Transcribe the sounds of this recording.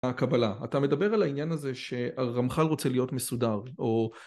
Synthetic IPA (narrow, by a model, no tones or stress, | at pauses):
kabalaatame̞dabe̞ʁalainjanaze̞ʃe̞aʁamχalʁo̞t͡selijo̞tmesudaʁo̞